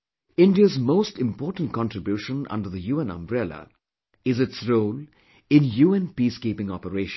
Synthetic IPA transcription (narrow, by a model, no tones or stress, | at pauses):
ɪ̃nɖiəzmoːsʈɪ̃mpɔːʈə̃n̩̚kɑ̃nʈɾɪbjuːʃə̃nʌ̰̃ɳɖəɾðəjuːɛ̃nə̰̃mbɾɛlə̰ | ɪzɪtsɾoːl | ɪ̃njuːɛ̃npiːskiːpɪ̃ŋɔpəɾeːʃn